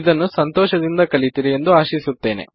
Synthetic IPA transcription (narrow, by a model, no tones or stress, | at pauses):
id̪ɐnːusɐnt̪ɔːʃɐd̪ind̪ɐkɐlit̪iɾɛjend̪uaːʃisut̪ːe̞ːnḛ